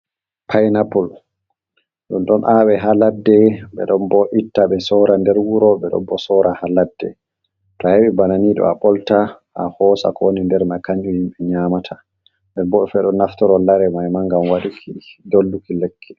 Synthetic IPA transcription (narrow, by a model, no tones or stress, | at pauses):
pʰajnapɔl | ɗunɗɔnʔaːwɛɦaladːɛɓɛ̰ɗɔnbɔʔitːaɓɛsɔɾandɛɾwuɾɔɓɛɗɔ̰mbɔsɔɾahaladːɛ̰ | tɔheɓɛbananiɗɔ̰aɓɔlta | ʔahɔːsa̰kɔwonindɛɾmajkaɲd͡ʒuhimɓɛɲamatʰa | ndɛɾbɔɗɔfɛɗɔnːaftɔɾɔlaɾɛmajmaŋɡamwaɗukʰidolːukilɛkʰːɛ̥